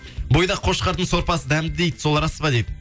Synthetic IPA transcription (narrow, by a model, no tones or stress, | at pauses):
bojd̪ɑqʰo̞ʃqɑɾt̪ənso̞ɾpɑsəd̪æmd̪ɪd̪e̞jd̪ɪ̥so̞lˠɾɑspɑd̪ejd̪ɪ